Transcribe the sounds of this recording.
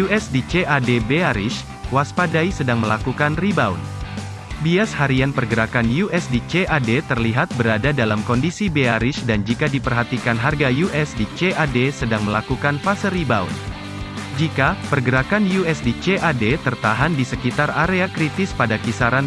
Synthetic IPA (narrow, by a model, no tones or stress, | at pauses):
juɛsdit͡ʃeʔadebeaɾɪ̰ʃ | waspadaisədaŋməlakukanribaṵn | biashaɾianpərɡəɾakanjuɛsdit͡ʃeʔadet̪ərliɦat̪̚bəɾadadalamkɔndisibeaɾɪʃdand͡ʒikadipərɦat̪ikanɦarɡajuʔɛsdit͡ʃeʔadesədaŋməlakukanfasəribaṵn | d͡ʒikapərɡəɾakanjuɛsdit͡ʃeʔadet̪ərt̪aɦandisəkit̪araɾeakɾit̪ɪspadakisaɾan